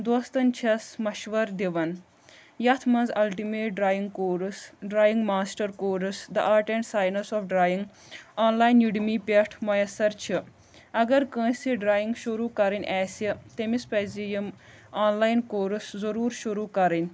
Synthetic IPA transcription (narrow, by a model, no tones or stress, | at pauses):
d̪oːst̪ɐnʲt͡ʃʰɐsmɐʃʋɐɾd̪iʋɐn | jɐt̪ʰmɐ̃nzɐlʈimeːʈ̚ɖɾaːjiŋɡkoːɾsɖɾaːjiŋɡmaːsʈɐɾkoːɾɨsd̪ɐ̰ʔaːɾʈeɳʈsaːjnɐsɔːfɖɾaːjiŋɡ | aːnlaːjnjuɖimipʲɐʈʰmɐjɐsɐɾt͡ʃʰi | ɐɡɐɾkə̃ːsiɖɾaːjiŋɡʃuɾuːkɐɾinʲʔɛːsit̪emispɛzijɐm | aːnlaːjnkoːɾuszɐɾuːɾʃuɾuːkɐɾɐnʲ